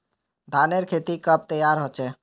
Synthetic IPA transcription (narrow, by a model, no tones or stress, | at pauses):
ɖʱaːneɾkʰeːt̪ikəp̚t̪əjaɾɦot͡ʃɛː